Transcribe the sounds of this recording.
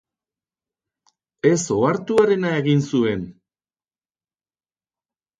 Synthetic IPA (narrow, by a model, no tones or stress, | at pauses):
e̞so̞aɾt̪uaɾe̞nae̞ɣinsue̞n